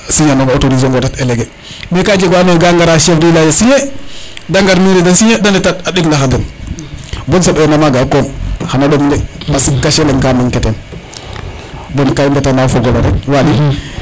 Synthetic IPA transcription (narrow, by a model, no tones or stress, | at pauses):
siɲanonotoɾiz̬oŋɡotateleɡe | mekad͡ʒeɡanoɡaŋɡaɾaʃefdilad͡ʒasiɲedaŋɡaɾmiɾidansiɲedanɛtataɗikndaɦandan | bɔnsabenamaɡakomhanaɗomdemasikaʃeleŋkamaŋketen | bonkaindatanafoɡoloɾḛwali